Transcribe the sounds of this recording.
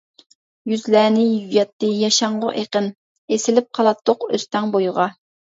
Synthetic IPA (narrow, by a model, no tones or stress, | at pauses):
jyzlæːnɪjyjɑt̪ːɨjɑʃɑɴʁo̰ʔeqən | esɪlɪp̚qʰɑlˠɑt̪ʰːoqø̰st̪ɛŋbojʁɑ